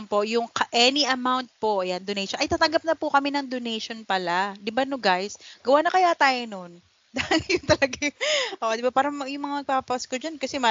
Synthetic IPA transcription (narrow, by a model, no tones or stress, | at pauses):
npo̞ʔjʊŋkɐʔɛniʔɐmawnt̪̚poʔjand̪onejʃɔnʔɐjt̪aːt̪ɐŋɡɐp̚nɐpʊkɐmɛnɐŋd̪onejʃonpɐlad̪ɪbanoɡajsɡ̥ɐwaːnɐkɐjat̪aːjonon | d̪aːhɪljʊŋt̪ɐlɐɡajʊʔoːʔd̪ɪbapaːɾɐmɐjʊŋmɐŋamɐɡ̚paːpɐɐskod͡ʒɐnkɐsɛma